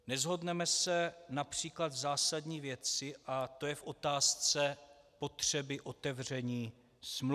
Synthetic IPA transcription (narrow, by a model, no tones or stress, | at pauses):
nɛzɦo̞dnɛmɛsɛnapr̝̥iːklad̪zaːsadɲiːvjɛt͡sɪʔat̪o̞jɛfʔo̞t̪aːst͡sɛ | po̞t̪r̝̥ɛbɪʔo̞t̪ɛvr̝ɛɲiː | sm